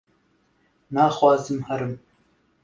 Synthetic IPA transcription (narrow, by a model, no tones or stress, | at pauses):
maxwɑːzɨmhɐɾɨm